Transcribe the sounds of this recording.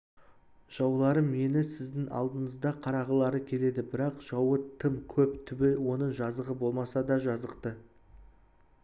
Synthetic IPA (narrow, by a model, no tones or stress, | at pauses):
ʒ̥ɑwlˠɑɾəmje̞nɪsɪzd̪ɪŋɑ̰lˠd̪əɴəzd̪ɑqʰɑɾɑʁəlˠɑɾəkʲʰe̞le̞d̪ɪbɪɾɑqʒ̥ɑwət̪ʰəmkʲʰɵpt̪ʰʏbɪwo̞nəɴʒɑzəʁəbo̞lˠmɑsɑd̪ɑʒɑzəqt̪ə